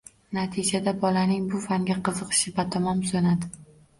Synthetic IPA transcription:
nat̪ʰid͡ʒad̪abɒlanɪŋbʊfaŋɡʲaqʰɨzɨqʰɨ̥ʃɪbat̪ʰɒmɒmsonad̪ɪ

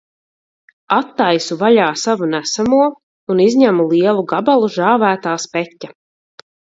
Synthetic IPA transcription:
at̪ːajsuvaʎaːsavunæsamuɔ | unizʲɲæmulˠiɛlˠuɡabalˠuʒaːvæːt̪aːspɛtʲːa

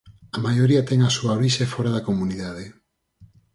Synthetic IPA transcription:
amajoɾiat̪ɛŋasuaoɾiʃefoɾaðakomuniðaðe

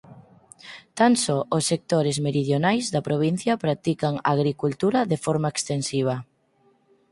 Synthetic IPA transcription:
t̪ansɔosːek̚t̪oɾezmeɾið̞jonajzðɐpɾoβ̞in̟θjɐpɾat̪ikaŋa̰ɣɾikult̪uɾɐðefɔɾmaekst̪ensiβ̞ɐ

